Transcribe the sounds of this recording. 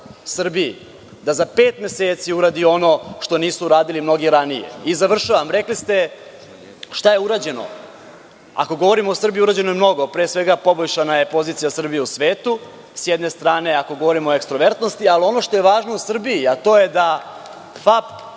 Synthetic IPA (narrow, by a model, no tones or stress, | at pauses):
sr̩bii | d̪azape̞ːt̪me̞seːt̪siuɾaːd̪io̞no̞ʃt̪o̞niːsuːɾaːd̪ilimno̞ɡiɾanije̞̰izaʋr̩ʃaʋamɾe̞klist̪e̞ | ʃt̪aje̞uɾaːd͡ʑe̞no̞̰ | a̰ko̞ɡoʋo̞ɾimoosr̩bijiuɾaːd͡ʑe̞nojemno̞ɡo̞pɾeːsʋe̞ɡapo̞boʎʲʃanaje̞po̞ziːt̪sijasr̩bijeusʋeːt̪u | sjɛd̪ne̞st̪ɾaːne̞ako̞ɡo̞ʋo̞ɾimoekst̪ɾo̞ʋe̞ɾt̪nost̪ialio̞no̞ʃt̪o̞je̞ʋaːʒno̞usr̩biiat̪o̞ːje̞d̪a | fap